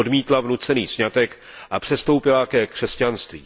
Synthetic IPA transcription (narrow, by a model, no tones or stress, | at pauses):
odmiːt̪lavnut͡sɛniːsɲat̪ɛk | ʔapr̝̥ɛst̪o̞wpɪlakɛkr̥ɛscanst̪vḭː